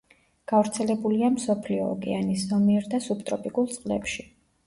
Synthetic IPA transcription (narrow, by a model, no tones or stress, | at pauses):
ɡ̥avɾt̪sʰɛlɛbuliamsɔpʰliɔ̰ːɡɛ̰aniszɔmiɛɾd̪asupt̪ʼɾɔpʼikʼulˠt̪sʼqʼlɛ̰pʃi